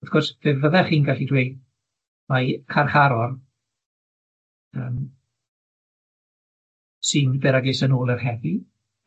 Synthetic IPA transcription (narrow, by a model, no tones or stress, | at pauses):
aθɡ̥ɔsveːvəðɛrχiːnɡaɬidwejd | makʰarχaɾɔr | əːm | sɨmbɛɾaɡɪsənoːlˠərhɛvɨ